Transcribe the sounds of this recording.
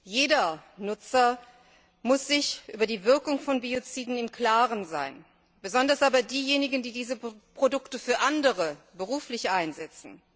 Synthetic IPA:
jeːdɐnʊt͡sɐ | mʊsz̥ɪçʔyːbɐdiːvɪɐkʊŋfɔnbiot͡siːdn̩ɪmkl̥aːʁənza̰ɪn | b̥əzɔndɐsʔaːbɐdiːjeːnɪɡn̩diːdiːzəpʁ̥odʊktəfyːɐʔandəʁəbəʁ̞uːflɪçʔaɪnzɛt͡sn̩

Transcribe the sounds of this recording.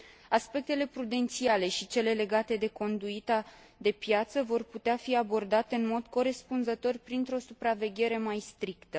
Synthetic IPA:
aspe̞k̚t̪e̞le̞pɾud̪e̞nt̪siale̞ʃit͡ʃe̞le̞le̞ɡat̪e̞d̪e̞ko̞nd̪uit̪a | d̪e̞pjat̪səvo̞rput̪eafiabo̞rd̪at̪eɨnmo̞d̪ko̞ɾe̞spunzət̪o̞rʲpɾint̪ɾo̞supɾave̞ɡʲe̞ɾe̞majst̪ɾikt̪ə

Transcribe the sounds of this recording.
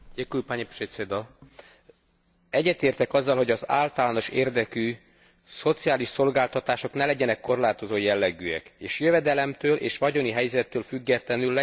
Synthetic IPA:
ɟekulpaɲepʃesed̪ɒ | ɛɟːɛt̪eːrt̪ɛkɒzːɒlho̞ɟɒza̰ːlt̪ɒlaːno̞ʃeːrd̪ɛky | so̞t̪sijaːliʃso̞lɡaːlt̪ɒt̪aːʃo̞knɛlɛɟɛnɛkːo̞rlaːt̪o̞zoːjɛlːɛɡyɛ̰keːʃjøvɛd̪ɛlɛmt̪øːlʔḛːʃʋɒɟo̞niɦɛjzɛt̪ːøːlfyɡːɛt̪lɛnylːɛ

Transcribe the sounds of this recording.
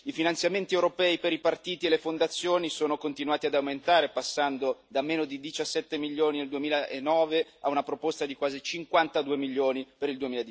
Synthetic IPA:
ifinant̪sjament̪iewɾopɛːipeɾipart̪iːt̪ielefond̪at̪sːjoːnisoːnokont̪inwaːt̪iad̪awment̪aːɾepasːand̪od̪ameːnod̪id̪it͡ʃasːɛt̪ːemiʎːoːnineld̪uemiːlaʔenːɔːveaunapɾopost̪ad̪ikwaːzit͡ʃiŋkwant̪ad̪uːemilːoːnipeɾild̪uemiːlad̪i

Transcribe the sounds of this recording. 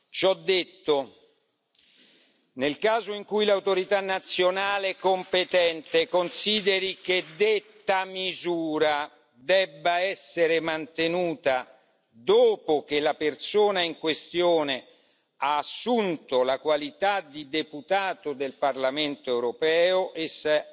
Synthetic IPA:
t͡ʃɔd̪ːet̪ːo | nelkaːzoiŋkujlawt̪oɾit̪anːat̪sːjonaːlekompet̪ɛnt̪ekonsiːd̪eɾik̟ed̪et̪ːamizuːɾa | d̪ɛbːaɛsːeɾemant̪enuːt̪a | d̪oːpok̟elapert̪soːnaiŋkwest̪joːne | aːsːunt̪olakwalit̪ad̪id̪eput̪aːt̪od̪elparlament̪oewɾopɛːoʔes

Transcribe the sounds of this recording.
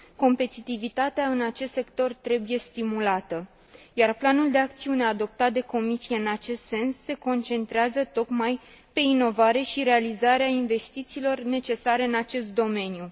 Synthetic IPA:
ko̞mpe̞t̪it̪ivit̪at̪eaɨnat͡ʃe̞st̪se̞kt̪o̞rt̪ɾe̞buje̞st̪imulat̪ə | jarplanuld̪e̞ak̚t̪siune̞ad̪o̞p̚t̪at̪̚d̪e̞ko̞misije̞ɨnat͡ʃe̞st̪se̞nsːe̞ko̞nt͡ʃe̞nt̪ɾeazət̪o̞kmaj | pe̞ino̞vaɾe̞ʃiɾe̞alizaɾeainve̞st̪it̪siːlo̞rne̞t͡ʃe̞saɾe̞ɨnat͡ʃe̞st̪̚d̪o̞me̞nju

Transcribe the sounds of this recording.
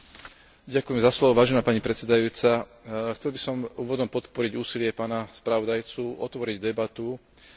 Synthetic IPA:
ɟakujɛmzaslɔʋɔʋaːʒɛnaːpaɲipɾɛt̪sɛd̪ajuːt͡sa | xt͡sɛlbisɔmuːʋɔd̪ɔmpɔt̪pɔɾiɟuːsilɪɛpaːnaspɾaʋɔd̪ajt͡suʔɔt̪ʋɔɾiɟd̪ɛbat̪u

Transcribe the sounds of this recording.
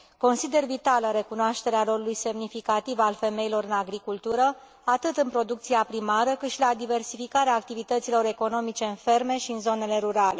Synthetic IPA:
ko̞nsid̪e̞rvit̪aləɾe̞kunoaʃt̪e̞ɾealo̞ɾulujse̞mnifikat̪ivalfe̞me̞ilo̞ɾɨnaɡɾikult̪uɾə | at̪ɨt̪ɨnpɾo̞d̪uk̚t̪siapɾimaɾəkɨt̪ʃilad̪ive̞rsifikaɾeaːk̚t̪ivit̪ət̪silo̞ɾe̞ko̞no̞mit͡ʃe̞ɨnfe̞rme̞ʃiɨnzo̞ne̞le̞ɾuɾale̞

